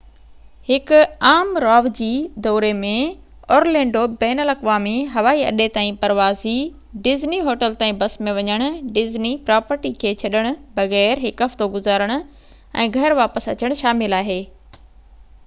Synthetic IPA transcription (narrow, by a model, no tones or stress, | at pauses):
hɪkʊaːmɾɔːʋd͡ʑiːd̪ɔːɾemẽ | ɔːɾlɛ̃ːɳɖobɛːnəlɐkʋaːmiɦɐʋaːiɐ̰ɗet̪aːĩpɐɾʋaːzi | ɖɪzniɦoːʈəlt̪aːĩbɐsmẽʋɐɲəɽ̃ʊ̆ɖɪznipɾaːpəɾʈikʰeːt͡ɕʰɐɗəɽ̃ʊ̆bɐɣɛːɾɦɪkɦɐft̪oɡʊzaːɾəɽ̃ʊ̆ | ɛ̰̃ːɡʱɐɾʋaːpəsɐ̰t͡ɕəɽ̃ʃaːmɪlaːɦeː